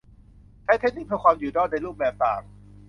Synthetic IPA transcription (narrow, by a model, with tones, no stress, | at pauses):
t͡ɕʰaː˦˥jt̪ʰe˥k̚niː˦˥˩pʰɯ˧kʰwaː˧mjuː˨˩dɔː˥˩na˧jluː˥˩p̚bɛː˨˩p̚t̪aː˨˩k̚